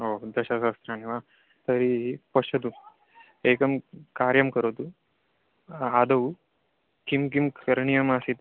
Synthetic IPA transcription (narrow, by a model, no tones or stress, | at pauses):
ɦod̪ɐɕasast̪ɾaniʋa | t̪əɾipəɕɐt̪u | ekəmkaɾjɐmkəɾot̪u | ad̪ɐu | kimk̬imkəɾɳijɐmasit̪